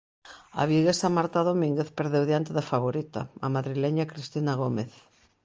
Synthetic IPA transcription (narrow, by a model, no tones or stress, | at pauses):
a̰βiɣesamaɾt̪aðomĩŋɡeθpeɾðewðjant̪eðɐfaβ̞oɾit̪ɐ̰amaðɾilɛɲakɾist̪inaɣ̞omeθ